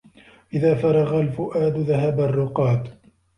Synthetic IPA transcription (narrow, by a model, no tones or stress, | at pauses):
ʔɪðaːfɑɾˤɑɣalfʊʔaːd̪ʊðaɦabarˤːʊqɑːt̪